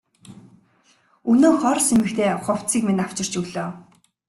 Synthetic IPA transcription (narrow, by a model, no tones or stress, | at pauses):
unoːχɔrsemɘ̆kt̪ʰeːχʊw̥t͡siːkmenaw̥t͡ɕɪ̆r̥t͡ɕuːɮoː